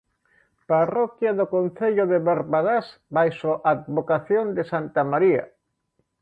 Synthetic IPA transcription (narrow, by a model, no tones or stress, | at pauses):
parɔkjaðokonθeʎʊðeβaɾβaðasbajsoʔad̪βokaθjond̪ɪsant̪amaɾia̰